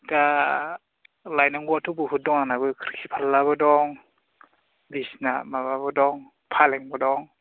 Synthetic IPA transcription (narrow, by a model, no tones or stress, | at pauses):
ta | lajnaŋɡɔatʰubɯɦut̚dɔŋanabɯkʰɾikʰipʰalːaβɯdɔŋ | bisnamaβabɯdɔŋ | pʰalɛŋbɔdɔŋ